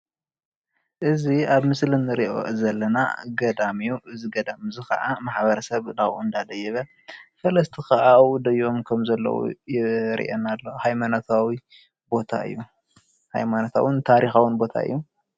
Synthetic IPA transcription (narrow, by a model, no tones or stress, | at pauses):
ʔɨziaβmɨslɨnɨɾiʔo̰zɐlːɐna̰ɡɐd̪amijuʔɨziɡɐd̪amzɨkɐ̰ʔa̰maħbɐɾɐsɐβd̪aɣuɨnd̪ad̪ɐjːɛβɐ | fɐlɐst̪ʰikɐʔawud̪ɐjo̞mkʰɐmzɐlːɐ̰wṵjɪɾḭʔḛnalːohajmanot̪ʰawi | bo̞t̪ʰa̰ɨ̰jːu | ha̰jmanot̪ʰa̰wɨnt̪ʰaɾixawʊnbo̞t̪ʰa̰ɨ̰jːu